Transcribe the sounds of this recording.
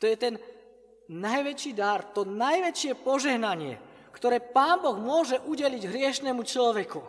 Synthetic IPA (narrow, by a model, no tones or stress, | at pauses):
t̪ɔjɛt̪ɛn | najʋɛt͡ʃiːd̪aɾt̪ɔnajʋɛt͡ʃɪɛpɔʒɛɦnaɲɪɛ̰ | kt̪ɔɾɛːpaːnbɔɣmʊɔʒɛʔuɟɛliɟɦɾɪɛʃnɛmut͡ʃlɔʋɛku